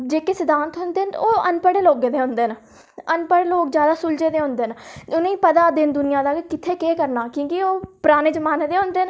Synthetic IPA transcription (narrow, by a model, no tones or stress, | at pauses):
d͡ʒeːkeːsɪd̪ãːnt̪ɦʊnd̪eːnoːənpəɽeːloːɡed̪eːɦʊ̃nd̪eːn | ənpəɽeːloːkzjaːd̪aːsʊld͡ʒeːd̪eːɦʊ̃nd̪eːnʊnẽiːpəd̪aːd̪ɪnd̪ʊnɪjãːd̪aːkkɪt̪ʰeːkeːkəɾnaːkjõːkioːpɾaːneːd͡ʒəmaːneːd̪eːɦʊ̃nd̪eːn